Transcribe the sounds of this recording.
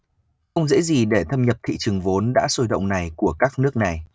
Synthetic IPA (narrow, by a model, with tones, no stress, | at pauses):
xə˧wŋ͡mzḛ˧˥zi˨˩ɗe˧˩t̪ʰə˧mɲə˨˩p̚t̪ʰḭ˧˨t͡ɕɨ˨˩əŋvo˨˦nɗa̰ː˧˥so˧jɗə̰˧˨wŋ͡mna˨˩jku˧˩əkaː˦˥k̚nɨ˦˥ək̚na˨˩j